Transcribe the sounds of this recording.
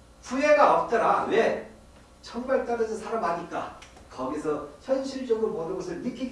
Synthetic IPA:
puɦeɡaʌp̚t͈ʌɾa̰we | t͡ɕʰʌŋmaɭt͈aɾɯd͡ʑʰʌsʰaɾamɦaɲik͈a̰ | kʌɡesʰʌçʰjʌnɕʰiɭt͡ɕ͈ʌɡɯɾopʌdɯnɡʌsʰɯɭmik͈i

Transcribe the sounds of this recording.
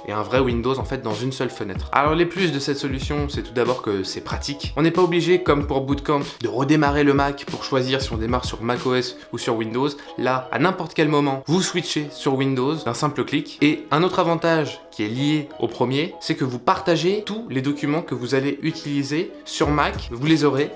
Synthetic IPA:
ḛɛ̃vʁɛwind̪ozɑ̃fɛt̪̚d̪ɑ̃zynsœlfənɛ̰t̪χa̰lɔʁleplysd̪əsɛt̪sɔlysjɔ̃sɛt̪ud̪abɔʁkəsɛpχat̪ikɔ̃nɛpaobliʒekɔmpuʁbud̪kɑ̃pd̪əʁəd̪emaʁeləmakpuʁʃwaziʁsiɔ̃d̪emaʁsyʁmakoɛs | usyʁwind̪oz | laa̰nɛ̃pɔʁt̪kʲɛlmɔmɑ̃vuswiʃesyʁwind̪ozd̪ɛ̃sɛ̃pləklikeɛ̃not̪χavɑ̃t̪aʒkʲiɛlijeo̰pχəmjesɛkəvupaʁt̪aʒet̪uled̪ɔkʲymɑ̃kəvuzaleʔyt̪ʰilizesyʁmakvulezɔʁe

